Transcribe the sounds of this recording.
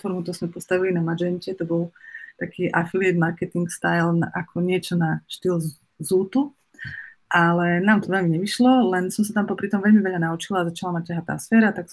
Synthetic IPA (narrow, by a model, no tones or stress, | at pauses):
fɔɾmut̪ɔɾzmɛpɔst̪aʋilinamad͡ʒɛncɛt̪ɔbɔlˠt̪akʰiːʔafiliɛd̪maɾkɛt̪iŋkst̪ajlnʔakʰɔɲɪɛt͡ʃɔnaʃt̪il | zuːt̪u | ʔalɛnaːmt̪ɔʋɛʎmiɲɛʋiʃlɔlɛnsɔmsat̪ampɔpɾit̪ɔmʋɛʎmiʋɛʎanaut͡ʃilaːzat͡ʃalamac̚caɦat̪a̰ːsfɛːɾat̪aks